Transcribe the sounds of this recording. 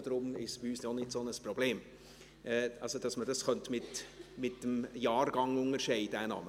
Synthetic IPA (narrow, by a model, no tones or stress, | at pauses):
dɾʊmɪʃb̥iyːsnɔnɪtsonəspɾɔbleːm | ʔɛɑlsod̥ɑsmədɑsχœntmɪtmɪtd̥əmjɑːrɡ̥ɑŋʊŋəɾʃɛɪdænɑ̰ːmə